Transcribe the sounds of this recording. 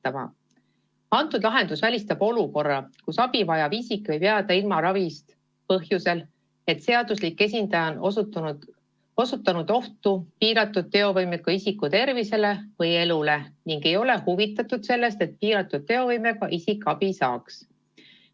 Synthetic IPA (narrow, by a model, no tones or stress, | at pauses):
ɑmɑ̰ | ɑnt̪ːˑud̪lɑɦe̞nd̪̥usvælʲist̪ɑb̥o̞luko̞rːɑkusɑb̥ivɑjɑvisikˑːvɤjpeɑd̪̥ɑilmɑɾɑvist̪ | pɤɦjuse̞l | e̞t̪se̞ɑd̪̥uslikːˑe̞s̬ʲind̪ɑjɑon | osut̪ːˑɑnud̪̥o̞ht̪upiːɾɑt̪ːˑud̪̚t̪e̞o̞vɤjmekːˑɑisikːut̪e̞rvise̞le̞vɤje̞lule̞niŋɡe̞jo̞le̞huvit̪ːˑɑt̪ːˑud̪̥se̞lːe̞st̪e̞t̪̚piːɾɑt̪ːˑud̪̚t̪ːe̞o̞vɤjme̞kɑʔisikːˑɑb̥isɑ̰ːks